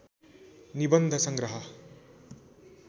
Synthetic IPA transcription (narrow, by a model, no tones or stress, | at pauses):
nibʌnd̪ʱɐsʌŋɡɾʌɦʌ